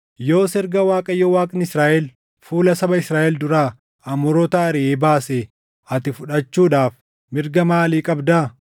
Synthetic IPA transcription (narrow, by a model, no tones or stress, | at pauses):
jo̞ːsɛɾɡɐwaːkʼɐjːoːwaːkʼnɪsɾaːʔɛl | fuːlɐsɐbɐɪsɾaːʔɛld̪ʊɾaː | ɐmʊɾɔt̪ɐɐɾɪʔeːbaːse | ɐt̪ɪfʊᶑɐt͡ʃːuːᶑaːf | mɪɾɡɐmaːliːkʼɐbd̪aː